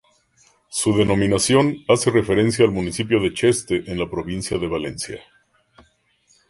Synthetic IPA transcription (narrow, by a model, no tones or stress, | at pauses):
suðe̞no̞mĩnasjo̞nase̞re̞fe̞ɾe̞nsjaːlmunisipjo̞ðe̞t͡ʃe̞st̪eʔenlapɾo̞βinsjaðe̞βale̞̰nsja̰